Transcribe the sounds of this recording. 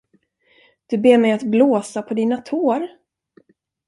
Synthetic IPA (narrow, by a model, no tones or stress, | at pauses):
d̪̥ɵbeːɾmɛjat̪bloːsapʰɔd̪iːnat̪ʰoːɾ